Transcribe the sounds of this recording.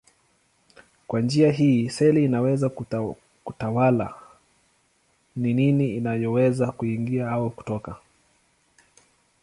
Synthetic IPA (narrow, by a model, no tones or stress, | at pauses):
kwand͡ʒiaɦiːsɛliːnawɛza | kutawala̰ | nininiːnajɔwɛzakuiŋɡiahawɔku̥tɔka